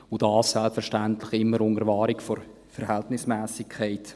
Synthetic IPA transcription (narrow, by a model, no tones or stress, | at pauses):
odɑːsːɛlpfəɾʃtæntlɪχɪmːəɾʊŋəɾvɑːɾɪkfɔɾ | fɛɾhɛltnɪsmɛːsɪkʰːɛɪt